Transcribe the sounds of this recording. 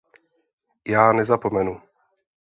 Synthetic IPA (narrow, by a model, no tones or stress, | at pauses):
jaːnɛzapomɛnu